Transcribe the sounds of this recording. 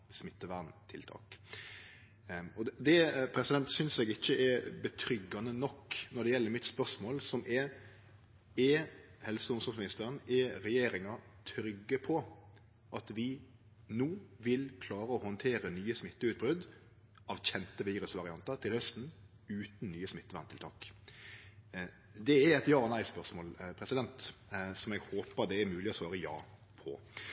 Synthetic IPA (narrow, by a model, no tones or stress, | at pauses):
smɪt̪ːəʋæɾn̩t̪ʰɪlt̪ʰɑ̰ːk | ɔd̪ɛpʰɾɛsɪd̪ɛnt̪sʏnsɛɡɪçːəʔɛɾbət̪ʰɾʏɡːɑnənɔkːnɔd̪ɛjɛlːəɾmɪt̪spœʂmoːlsɔmʔɛ | ɛhɛlsəʊnsɔmsmɪnɪst̪əɾənɛɾɛjeːɾɪŋɑt̪ʰɾʏɡːəpʰɔ | ʔɑt̪ʋɪ | noːʋɪlkʰlɑːɾəɔhɔnt̪ʰeːɾənyːəsmɪt̪ːəʉːt̪̚bɾʉd̪ | ɑʋçɛnt̪əʋiːɾʉsʋɑɾɪɑnt̪əɾt̪ʰɪlhœst̪n̩ | ʉːt̪n̩nyːəsmɪt̪ːəʋænt̪ʰɪlt̪ʰɑːk | d̪ɛæɾɛt̪jɑːɔnæɪspœʁsmoːlpʰɾɛsɪd̪ɛnt̪sɔmɛɡhoːpəɾd̪ɛːɾmʉːlɪɔsʋɑːɾəjɑ̰ː | pʰɔ̰